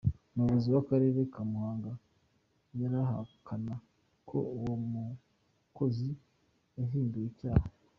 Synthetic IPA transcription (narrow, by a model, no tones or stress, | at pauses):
nuβuziwakaɾe̞ɾe̞kamuhaːŋɡa | jaɾaɦa̰kʰana | kʰo̞̰uwomu | ko̞zi | jaɦiːndujicaːha